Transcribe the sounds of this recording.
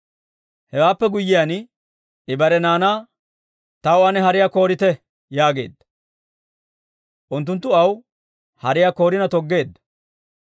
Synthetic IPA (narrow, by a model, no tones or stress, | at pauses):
hɛwaːpːɛɡʊjːɪjan | ɪbɐɾɛnaːnaː | t̪ɐwɐnɛɦɐɾɪjako̞ːɾɪt̪ɛ | jaːɡe̞ːd̪ːɐ̥ | ʔʊnt̪ːʊnt̪ːʊɐw | hɐɾɪjako̞ːɾɪnɐt̪ɔɡːe̞ːd̪ːɐ̥